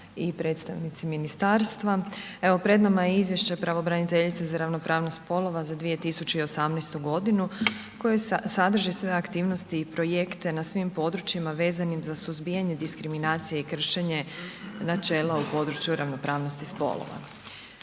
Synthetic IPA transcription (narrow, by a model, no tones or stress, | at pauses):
ipɾe̞t̪st̪aʋnit̪siminist̪aːɾst̪ʋae̞ʋo̞pɾe̞d̪namajeizʋje̞ʃt͡ɕepɾaʋobɾanit̪e̞ʎit̪sezaɾaʋno̞pɾʔaːʋno̞st̪po̞lˠo̞ʋazad̪ʋije̞t̪isut͡ɕeio̞samnɛjst̪uɡo̞d̪inu | ko̞jesad̪r̩ʒisʋe̞akt̪iːʋno̞st̪iːpɾo̞je̞kt̪e̞nasʋimpo̞d̪ɾut͡ɕimaʋe̞ːzanimzasuzbijaɲe̞d̪iskɾiminaːt̪sijeikr̩ʃe̞ɲe̞nat͡ʃe̞ːlaupo̞d̪ɾut͡ʃjuɾaʋno̞pɾaːʋno̞st̪ispo̞̰lˠo̰ʋa̰